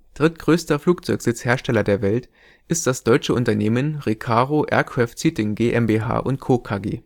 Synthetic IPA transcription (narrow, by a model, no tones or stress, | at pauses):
d̥ʁɪtɡ̥ʁøːstɐfluːk̚t͡sɔʏkz̥ɪt͡sheːɐʃtɛlɐdeːɐvɛlt | ʔɪst̚d̥asd̥ɔʏt͡ʃəʔʊntɐneːmənʁikʰaːʁoʔɛ̰ːɐkʁ̥aːftsyːtɪŋɡeːʔɛmbeːɦa̰ːʔʊntkʰoːkʰaːɡeː